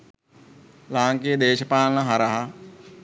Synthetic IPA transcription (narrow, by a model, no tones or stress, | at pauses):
lãːŋkeːd̪eːʃpaːlnɐɦɐɾɐɦa